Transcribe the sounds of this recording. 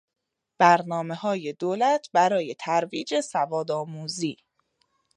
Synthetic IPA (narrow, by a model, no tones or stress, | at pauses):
b̥æɾnɒːme̞hɒːje̞d̪oːlæt̪ʰbæɾɒːje̞t̪ʰæɾviːd͡ʒe̞sævɒːd̪ɒːmuːziː